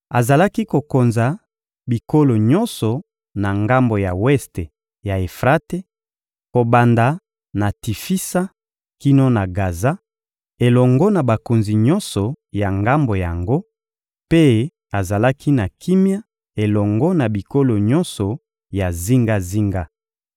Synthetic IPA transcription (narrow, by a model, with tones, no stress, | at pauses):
a˨za˨la˦ki˦ko˨ko˨nza˨ | bi˨ko˦lo˨ɲɔ˦nsɔ˨ | na˨ŋɡa˦mbo˨ja˨wɛ˦ste˨ | ja˨e˨fʁa˦te˦ | ko˨ba˨nda˨ | na˨ti˨fi˦sa˦ | ki˦no˦na˨ɡa˨za˦ | e˨lɔ˨ŋɡɔ˦na˨ba˨ko˨nzi˨ɲɔ̃˦nsɔ˨ja˨ŋɡa˦mbo˨ja˨ŋɡo˦ | pe˦ | a˨za˨la˦ki˦na˨ki˦mja˦ | e˨lɔ˨ŋɡɔ˦na˨bi˨ko˦lo˨ɲɔ˦nsɔ˨ | ja˨zi˦ŋɡa˦zi˦ŋɡa˦